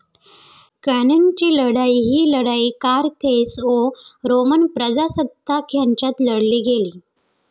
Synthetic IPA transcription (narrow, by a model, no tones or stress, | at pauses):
kənənt͡ɕiːləɽaiɦiːləɽaiːkaɾt̪ʰesoɾomənpɾəd͡zasəd̪ːakʰjaɲt͡ɕjat̪ləɽliːɡʱeliː